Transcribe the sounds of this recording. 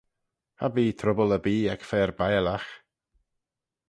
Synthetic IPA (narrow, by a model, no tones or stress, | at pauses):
habiːt̪ʰɾʊbələbiːakfɛːɾbajlax